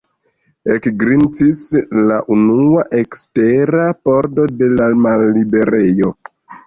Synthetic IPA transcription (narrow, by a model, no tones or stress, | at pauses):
ekɡɾint͡sislaʔunuaʔe̞kste̞ɾapo̞ɾdo̞de̞lamalːibe̞ɾe̞jo̞